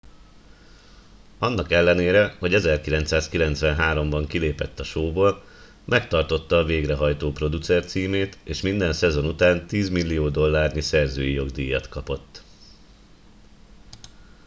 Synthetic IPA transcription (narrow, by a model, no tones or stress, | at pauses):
ɒnːɒkɛlːɛneːɾɛho̞ɟɛzɛrkilɛnt̪saːskilɛn̪t̪sʋɛnɦaːɾo̞mbɒŋkileːpɛt̪ːɒʃoːboːl | mʔɛkt̪ɒrt̪o̞t̪ːɒːveːɡrɛɦɒjt̪oːpro̞d̪ut̪sɛrt̪siːmeːt̪eːʃmind̪ɛnsɛzo̞nut̪aːnt̪iːzmilːijoːd̪o̞lːaːrɲisɛrzø̰ːjijo̞ɡd̪ijːɒt̪kɒpo̞t̪ː